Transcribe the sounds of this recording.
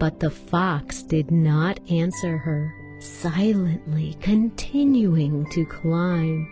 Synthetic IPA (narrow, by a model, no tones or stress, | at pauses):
b̥ʌt̪̚ðəfɑksd̥ɪdⁿnəɾæ̃nsə˞ə˞ | saɪlˠɨ̃nʔlikʰɨ̃ntʰɪ̃njuɪ̃ŋtʰɨkʰl̥ãɪ̃m